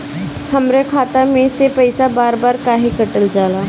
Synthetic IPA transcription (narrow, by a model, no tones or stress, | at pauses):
hɐmɾekʰaːt̪amẽsepɐɪsabaːɾbaːɾkaːɦekɐʈəld͡ʒaːlaː